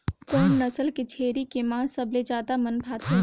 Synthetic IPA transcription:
kɔːnːɐsəlket͡ʃʰeːɾikemãːsɐbled͡ʒaːd̪amɐnbʱaːt̪ẽ

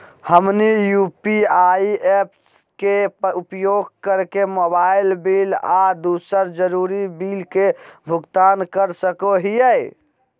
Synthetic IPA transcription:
həmnijupiaieps | keupjoɡkəɾkemobailbilad̪usəɾd͡ʒəɾuɾibilkebʱʊɡt̪ankəɾsəkoɦijɛj

